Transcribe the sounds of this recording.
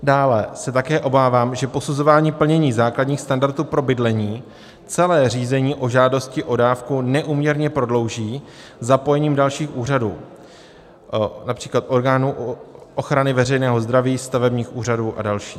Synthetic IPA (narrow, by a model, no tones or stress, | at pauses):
daːlɛsɛt̪akɛːʔo̞baːvaːmʒɛpo̞suzo̞vaːɲiːpl̩ɲɛɲiːzaːkladɲiːxst̪andaɾt̪uːpɾo̞bɪdlɛɲiː | t͡sɛlɛːr̝iːzɛɲiːʔo̞ʒaːdo̞scɪʔo̞daːfkunɛʔuːmɲɛɾɲɛpɾo̞dlo̞wʒiː | zapo̞jɛɲiːmdalʃiːxʔuːr̝aduː | napr̥iːklat̪ʔo̞ɾɡaːnuːʔoxɾanɪvɛrɛjnɛːɦo̞zd̪ɾaviːst̪avɛbɲiːxʔuːraduːʔa̰dalʃiː